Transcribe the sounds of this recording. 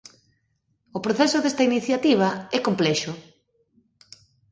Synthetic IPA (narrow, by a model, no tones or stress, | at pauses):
opɾoθɛsʊðest̪ainiθjat̪iβ̞ɐɛkomplɛʃʊ